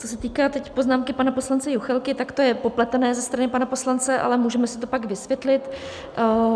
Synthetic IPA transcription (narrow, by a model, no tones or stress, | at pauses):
t͡so̞sɛt̪iːkaːt̪ɛcpo̞znaːmkɪpanapo̞slant͡sɛjuxɛlkɪt̪akt̪o̞jɛpo̞plɛt̪ɛnɛːzɛst̪ɾanɪpanapo̞slant͡sɛʔa̰lɛmuːʒɛmɛsɪ̥t̪o̞paɡvɪsvjɛt̪lɪt̪